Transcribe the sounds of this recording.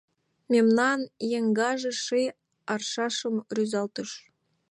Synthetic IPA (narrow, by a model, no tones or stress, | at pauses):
mʲemnɑnjeŋɡɑʒɤ̆ʂɯj | ɑrʃɑʃɤ̆mrʲyzɑlˠt̪ɤ̆ʃ